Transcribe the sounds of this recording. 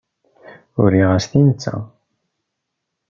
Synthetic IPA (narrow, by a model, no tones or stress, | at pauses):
uɾiʁast̪int͡sːa̰